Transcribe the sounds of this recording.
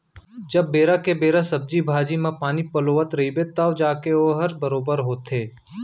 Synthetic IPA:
d͡ʒɐbːeːɾakebeːɾasɐb̚d͡ʒibʱaːd͡ʒimẽpaːnipɐloːʋət̪ɾɐɦibet̪ɐʋd͡ʒaːkeoːɦɐɾbəɾoːbəɾɦoːt̪ɦeː

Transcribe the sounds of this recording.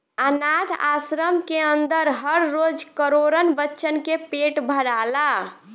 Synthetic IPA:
ənad̪ʱa̰sɾəmkeənd̪əɾɦəɾːod͡ʒkəɾoɾənbətːʃənkepeʈbʱəɾala

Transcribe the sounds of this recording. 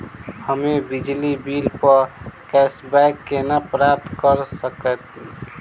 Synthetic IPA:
həmebid͡ʒlibilpəɾkɛsbɛkːenapɾap̚t̪kəɾsəkət̪̚

